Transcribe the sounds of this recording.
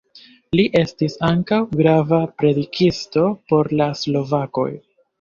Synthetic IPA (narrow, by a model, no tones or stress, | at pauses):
liʔe̞stisaŋkawɡɾavapɾe̞dikisto̞po̞ɾlaslo̞vako̞̰j